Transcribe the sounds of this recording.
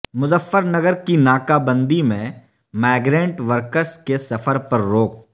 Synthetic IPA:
mʊzəfːəɾnəɡəɾkinaːkabə̃nd̪imẽ | mɛːɡɾẽːɳʈʋəɾkəɾskesɐfʰəɾpɐɾːoːk̚

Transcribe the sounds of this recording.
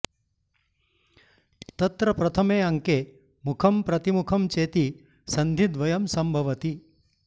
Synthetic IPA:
t̪ɐt̪ɾɐpɾɐt̪ʰɐmeːɐŋkeː | mukʰɐmpɾɐt̪imukʰɐmt͡ʃeːt̪i | sɐnd̪ʱid̪ʋɐjɐmsɐmbʱɐʋɐt̪i

